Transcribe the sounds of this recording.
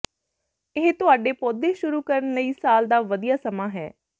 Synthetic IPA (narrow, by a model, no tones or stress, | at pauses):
ɪɦt̪ʊaːɖeːpɔːd̪eːʃʊɾuːkəɾənləiːsaːld̪aːʋəd̪ijaːsəmãːɦɛ̰ː